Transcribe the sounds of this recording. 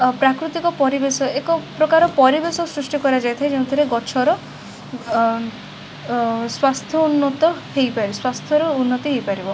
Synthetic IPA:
pɾakɾut̪ikɔpɔɾibesɔekɔpɾɔkaɾɔpɔɾibesɔsɾusʈikɔɾad͡ʒajt̪ʰajd͡ʒeũt̪ʰiɾeɡɔt͡ʃʰɔɾɔ | swast̪ʰjɔunːɔt̪ɔhejpaɾiɔswast̪ʰjɔɾɔunːɔt̪iɦejpaɾibɔ

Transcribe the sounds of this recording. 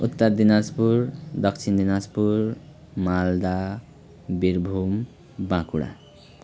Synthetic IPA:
ut̪ːʌrd̪inaspuɾd̪ʌkt͡sʰind̪inaspur | mald̪a | biɾbʱum | bãkuɽa̰

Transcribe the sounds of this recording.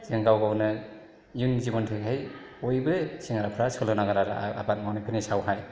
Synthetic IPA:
zɯŋɡawɡawnɯ | junzibɔntʰekɦaj | ojbɯsiŋaɾapʰɾasʰɯlɯnaɡaɾaɾaa̰pat̚mawnɯpʰenisawɦaj

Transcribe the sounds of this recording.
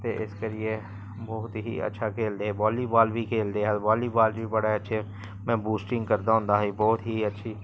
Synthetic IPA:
t̪eʔɪskəɾie | bɔɦʊt̪ɦḭɐ̰tːʃʰakʰeːld̪eɦɛbɔːlibaːlbʱikʰeːld̪eɦɛbaːlibaːlbʱibɐɽaɛɐtːʃʰe | mɛ̃buːsʈɪ̃ŋɡkɐɾd̪aɦʊ̃nd̪aɦibɔːʊt̪ɦiɐtːʃʰi

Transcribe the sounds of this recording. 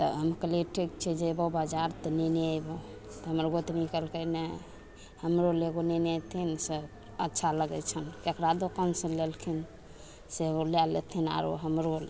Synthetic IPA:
t̪əɦəmkəleʈik̚t͡ʃʰɛd͡ʒebəbad͡ʒaɾt̪ɔnɛneajbo | t̪ɔɦəməɾɡot̪nikəlkənɛ | həmɾoleɡoneneat̪ʰinsə | ətːʃʰaləɡɛ̰t͡ʃʰənkekɾad̪okənsə̃lelkʰin | seolalːḛt̪ʰina̰ɾo̰ɦəmɾol

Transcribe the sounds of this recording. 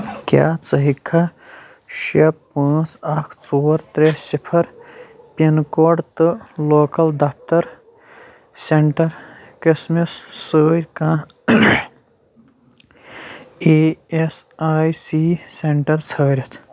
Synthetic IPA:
kʲja̰ːt͡sɐɦikʰːa | ʃɐpãːt͡sɐkʰt͡soːɾt̪ɾesipʰɐɾ | pʲenkoːɖt̪ɨloːkɐld̪ɐf̚ʰt̪ɐɾ | seɳʈɐɾkismissəːɾʲkãː | eːesaːjsiːseɳʈɐɾt͡sʰəːɾit̪ʰ

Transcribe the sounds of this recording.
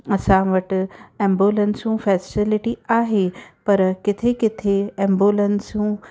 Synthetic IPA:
ɐsãʋɐʈɛ̃ːmbuːlənsũfʰɛːsʈɪlɪʈiaːɦepɐɾkɪt̪ʰekɪt̪ʰeɛ̃mbjolənsũː

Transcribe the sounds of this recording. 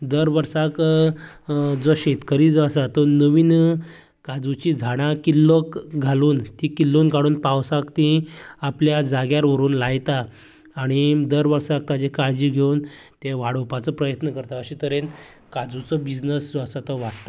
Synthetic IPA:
d̪əɾʋəɾsak | d͡zɔɕet̪kəɾiːd͡zasat̪ɔnəʋiːn | kad͡zut͡ɕid͡zʱaɽ̃akilːokɡʱaluːnt̪ikilːuːnɡʱaɽuːnpawsakt̪iapljad͡zaɡjaɾʋəɾuːnlajt̪aː | ɽ̃id̪əɾʋəɾsak̚t̪ad͡ʑekaɾd͡ʑiːɡʱeuːnt̪eʋaɽopat͡səpɾəjət̪nəkəɾt̪aəɕit̪əɾen | kad͡zut͡sɔbid͡znəsd͡zasat̪əʋaɽt̪a

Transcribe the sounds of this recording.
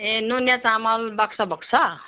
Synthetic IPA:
enunjat͡samʌlbʌksʌbʌksʰa

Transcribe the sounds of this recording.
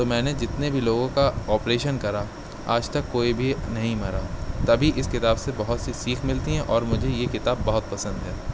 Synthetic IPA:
t̪omɛ̃ːned͡ʒɪt̪nebʱiloːɡõkaɔːpɾeːʃənkɐɾa | a̰ːd͡ʒt̪ɐkːoːibʱinɐɦĩmɐɾaːt̪ɐbʱiʔɪskɪt̪aːbsebɐɦʊt̪sisiːkʰmɪlt̪iɦɛ̃ʔɔːɾmʊd͡ʒʱejekɪt̪aːbːɐɦʊt̪̚pɐsə̃nd̪ɦɛː

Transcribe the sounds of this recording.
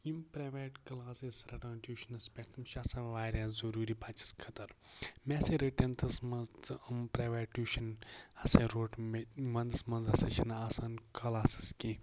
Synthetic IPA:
impɾaːʋeʈkɐlaːsisɾɐʈãːnʈʲuːʃɐnɐspʲekt̪ʰɐmʃasɐ̃ʋaːɾʲãːzuɾuːɾibɐt͡ʃi̥skʰɐt̪ɐɾmeseɾiʈent̪ʰɐsmɐmpɾaːʋeːʈʲuːʃɐnhɐseɾoːʈmɐnd̪ɨsmɐnzɐsɐt͡ʃʰinɐasankʰɐlaːsi̥ski

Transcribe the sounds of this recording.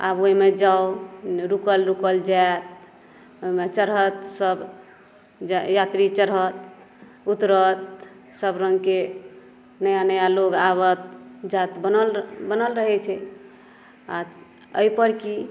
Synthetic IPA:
a̰boɦimed͡ʒaoɾukəlɾukəld͡ʒaet̪̚ | omet͡ʃəɾɦət̪səb | d͡ʒjat̪ɾit͡ʃəɾɦət̪̚ | ut̪ɾət̪̚ | səbɾə̃ŋɡke | nəjanəjaloɡaβət̪̚d͡ʒat̪bənəlbənəlɾəɦɛt͡ʃʰɛ | a̰ | əipəɾki

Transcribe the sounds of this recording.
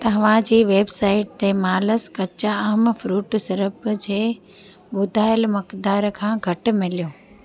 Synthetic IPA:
t̪ɐɦʋ̤ãd͡ʑiːʋeːbsaːɪʈ̚t̪emaːləskɐt͡ɕaɦmfɾuːʈsɐɾəpd͡ʑeː | ɓʊd̪ʱaːɪəlmɐkd̪aːɾkʰãːɡʱɐʈ̆mɪlijoː

